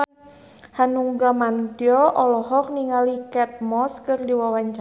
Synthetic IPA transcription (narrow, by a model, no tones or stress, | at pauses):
hanuŋɡamand̪iɔʔɔlɔɦɔk̚niŋalikɛt̪̚mɔskɨrdiwawaɲt͡ʃa